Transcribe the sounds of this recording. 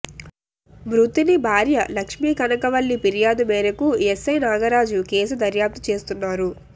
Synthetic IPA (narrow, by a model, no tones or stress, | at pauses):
mɾut̪inibʱaːɾjɐlɐkʂmiːkɐnɐkɐʋɐlːipiɾijaːd̪umɛːɾɐkujesːɐjnaːɡɐɾaːd͡ʒukeːsud̪ɐɾjaːp̚t̪u̥t͡ʃe̞ːst̪unːaːɾu